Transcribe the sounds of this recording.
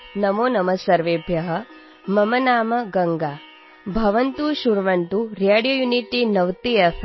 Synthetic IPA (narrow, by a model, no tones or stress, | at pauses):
nɐmoːnɐmɐsɐɾʋeːbʱjɐɦɐ̆ | mɐmɐnaːmɐɡɐŋɡaː | bʱɐʋɐnt̪uʃuɾʋɐnt̪uɾaːɽijoːjuniʈinɐʋt̪ijɐ